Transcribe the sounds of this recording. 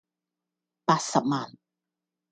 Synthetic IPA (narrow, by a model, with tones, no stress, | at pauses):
paː˨˩t̚sa˨p̚maː˨˩n